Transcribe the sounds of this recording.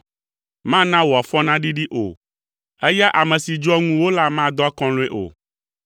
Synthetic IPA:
mã˦nã˦wɔ˨a˨fɔ˦nã˦ɖi˦ɖi˦ʔo̰˨ | ɛ˦ja˦ʔa˨mɛ̃˨si˨d͡ʒɔ˦ŋũ˦wo˦la˦mã˦˨d̪ɔ˦a˦kɔ̃˦le˦ʔo̰˨

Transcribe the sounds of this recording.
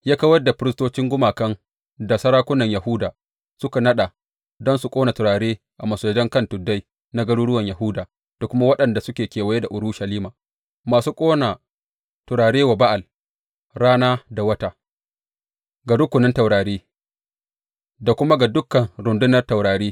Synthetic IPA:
jaː˦ka˦wɐ˦da˨ɸɪ˦ɾɪ˦s̬toː˦t͡ʃɪ˦ŋɡʷʊ˦maː˨kɐ˦n | da˨sɐ˦ɾaː˦kʷʊ˦nɐ˨ɲjɐ˨hʊ˦daː˨ | sʊ˦ka˨nɐ˦ɗa˨ | dɔ˦nsu˨kʷʼoː˦na˨tʊ˨ɾaː˨ɽeː˦ | ʔa˨mɐ˨soː˨˦d͡ʒɐ˦ŋkɐ˦ntʊ˨dːa˦j | na˦ɡɐ˦ɽuː˦ɽʊ˦wɐ˨ɲja˨ɦʊ˦daː˨ | d̥a˨kʷʊ˦ma˦wɐ˦ɗɐ˨nda˨sʊ˦kʲeː˨kʲeː˨wɐ˨je˦da˨ʔʊ˨ɾu˦ʃɐ˨liː˦maː˨ | maː˨suː˦kʼoː˦na˨ | tʊ˨ɾaː˨ɽeː˦wa˨ba˦ʔa˨l | ɽaː˦naː˦da˨wɐ˦ta˦ | ɡa˨ɽʊ˦kʷʊ˨nɪ˦nta˨wɾaː˨ɽeː˦ | da˨kʷʊ˦ma˦ɡa˨dʊ˦kːɐ˨nɾʊ˨ndʊ˦nɐ˨rta˨wɽaː˨ɽeː˦

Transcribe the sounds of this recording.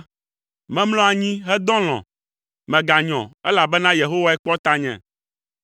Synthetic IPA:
mɛ̃˦mlɔ̃˦a˨ɲĩ˦ɦɛ˦d̪ɔ̃˦l̃ɔ̰̃˨ | mɛ̃˨ɡa˨ɲɔ̃˨ɛ˦la˨bɛ˦nã˦je˨ɦo˦wa˦ɛ˦k͡pɔ˦t̪a˦ɲɛ̰̃˨

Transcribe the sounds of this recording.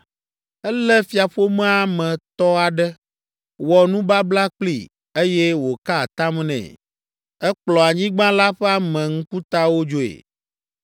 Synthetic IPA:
ɛ˦lɛ˦fi˨a˨ɸo˦mɛ̃˦a˨mɛ̃˨t̪ɔ˦a˨ɖɛ˦ | wɔ˨nũ˦ba˦bla˦k͡plḭ˦˨ | e˦jɛ˦wo˨ka˦˨t̪a˦mnɛ̰̃˨ | ɛ˦k͡plɔ˨a˨ɲĩ˦ɡ͡bã˦la˦ɸɛ˦a˦mɛ̃˨ŋ̩˦ku˦t̪a˦wo˦d͡ʒo˦ḛ˨

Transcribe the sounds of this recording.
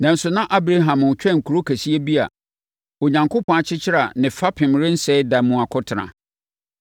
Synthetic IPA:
nã˨n̩˦sʊ˨nã˦ʔa˦bɾa˦ɦã˨m˨t͡ɕᶣɛ̃˦˨ŋ̩˨kʰu˨ɾo˦kʰæ˨si˦e˦bi˦a̰˨ | o˨ɲã˨ŋkʰʊ˦pʰɔ̃˨a˨t͡ɕʰɪ˦t͡ɕʰɪ˦ɾa˨nɪ̃˨fa˦pʰɪ̃˨mɾɪ̃˦n̩˦sɛ˦da˨mũ˨a˨kʰʊ˦tʰɪ˨nã̰˨

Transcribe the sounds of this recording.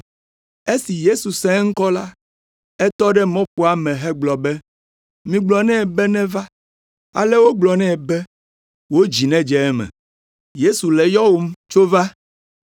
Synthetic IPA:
e˦si˨je˦su˨sɛ̃˦ŋ̩˦kɔ˦la˦ | ɛ˦t̪ɔ˦ɖɛ˦mɔ̃˦ɸu˦a˨mɛ̃˨ɦɛ˦ɡ͡blɔ˨bɛ˦ | mĩ˨ɡ͡blɔ˨nɛ̃˦˨bɛ˦nɛ̃˦va˦ | a̰˨lɛ˦wo˦ɡ͡blɔ˨nɛ̃˦ɛ˨bɛ˦ | wo˦d͡ʑi˨nɛ̃˦d͡ʒɛ˦ɛ˦mɛ̰̃˨ | je˦su˨lɛ˨jɔ˦wo˦m˦t͡ʃo˦va˦

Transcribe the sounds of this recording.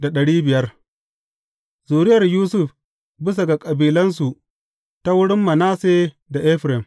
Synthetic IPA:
da˨ɗɐ˨ɽiː˦bɪ˨jɐ˦r | zuː˨ɾɪ˦jɐ˨rjuː˦sʊ˦˨ɸ | bɪ˦s̬a˨ɡa˨kʼɐ˨biː˨lɐ˦nsu˨ʔ | ta˦wʊ˦ɽɪ˦mːɐ˨naː˦seː˦ | da˨ʔɛ˦ɸɾɛ˨m

